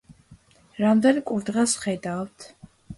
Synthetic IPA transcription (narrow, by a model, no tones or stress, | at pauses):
ɾamd̪ɛnkʼuɾd̪ʁɛsχɛd̪avt̪ʰ